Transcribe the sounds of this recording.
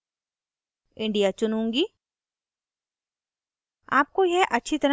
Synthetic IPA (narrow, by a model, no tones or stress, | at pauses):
ɪ̃ɳɖijat͡ʃʊnũːŋɡiː | a̰ːp̚kojeʔɐtːʃʰit̪ɐɾ